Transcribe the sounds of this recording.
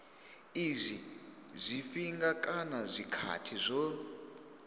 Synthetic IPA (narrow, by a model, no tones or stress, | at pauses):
izʷizʷifiŋɡakʼanazʷikʰa̰tʰizʷɔ